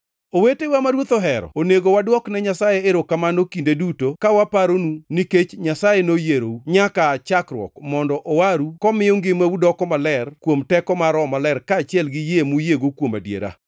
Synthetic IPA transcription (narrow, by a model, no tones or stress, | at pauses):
owetewamaɾwot̪oɦɛɾɔ̰oneɡowadwɔknɛɲasajeeɾokamanokindedutokawapaɾonuniket͡ʃɲasajenojeɾouɲakat͡ʃakɾwɔ̰kmɔndɔʔowaɾukɔmɪjoŋɡɪmaudɔkɔmalɛrkwomtɛkɔmaɾɔmalɛrkaːt͡ʃɪɛlɡɪjemujeɡokwoma̰djḛɾa̰